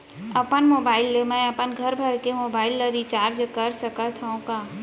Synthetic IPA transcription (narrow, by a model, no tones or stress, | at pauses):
ɐpənmoːbaːɪlːemɛ̃ɐpənɡʱɐɾbʱɐɾkemoːbaːɪlːəɾit͡ʃaːɾd͡ʒəkɐɾsəkət̪ʰaũkaː